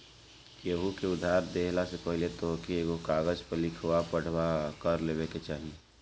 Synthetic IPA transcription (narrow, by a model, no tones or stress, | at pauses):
jeɦukeʊd̪ʱaːɾd̪eːɦlasepəɦɪlet̪okieːɡokaːɡəd͡ʒpəlɪkʰʋapəɽ̤wakəɾleːʋeket͡ʃaːɦie